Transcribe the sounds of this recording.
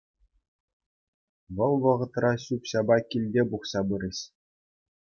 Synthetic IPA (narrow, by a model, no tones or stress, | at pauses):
ʋɤ̆lˠʋɤ̆ʁɤ̆t̪rɑɕupɕɑbɑkʲilʲdʲebuχsɑbɯɾʲɘ̆ɕ